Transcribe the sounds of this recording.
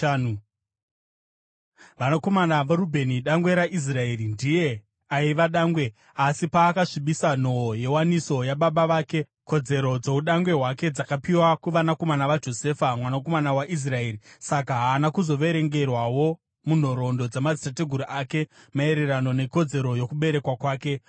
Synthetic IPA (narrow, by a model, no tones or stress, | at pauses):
ʋanako̞manaʋaɾubʱe̞niɗaŋɡwe̞ɾaʔis̬rae̞ːɾindije | aiʋaɗaːŋɡwe̞ | asipaːkaʂiɓisan̤o̞je̞waniso̞jaɓaɓaʋaːke̞ | ko̞d͡ze̞ɾo̞d͡zo̞uɗaŋɡwe̞ɦwake̞d͡zakapiwakuʋanako̞manaʋad͡ʒo̞se̞ːfamwanako̞manawaʔis̬rae̞ːɾisak̬aɦaːnakuzo̞ʋe̞ɾe̞ŋɡe̞rwawo̞ | mun̤oɾo̞ndo̞d͡zemad͡zitate̞ɡʱuɾuʔake̞ | mae̞ɾe̞ɾano̞ne̞ko̞d͡ze̞ɾo̞jokuɓe̞ɾe̞kwakwaːke̞